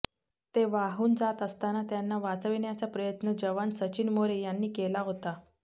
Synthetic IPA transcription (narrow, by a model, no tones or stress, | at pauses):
t̪eʋaɦuːnd͡zat̪əst̪anat̪janːaʋat͡səʋiɳjat͡sapɾəjət̪nəd͡ʑəʋansət͡ɕinmoɾejanːiːkelaɦot̪a